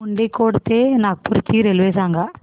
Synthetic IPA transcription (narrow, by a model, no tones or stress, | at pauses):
uɳɖekːoːɽut̪ːeːnaːk̚puɾit͡ʃːiɾelʋeːsaːŋɡa